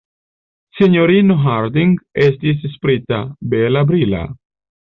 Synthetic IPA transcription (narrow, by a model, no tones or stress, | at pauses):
seɲoɾinoɦaɾd̪iŋɡesd̪is̬espɾit̪abelabɾila̰